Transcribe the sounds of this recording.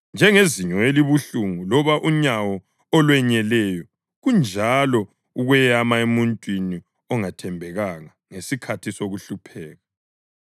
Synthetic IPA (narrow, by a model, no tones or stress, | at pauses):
nd͡ʒʱɛŋeziɲɔeliβuɬuŋulɔβaʔuɲawɔ | ɔlwɛɲɛlɛjɔ | ɣund͡ʒʱalɔ | uɣwɛjamaemuntʼwini | ɔŋatʰɛmbʱɛɣaŋa | ŋesikʰatʰisoɣuɬupʰɛːɣa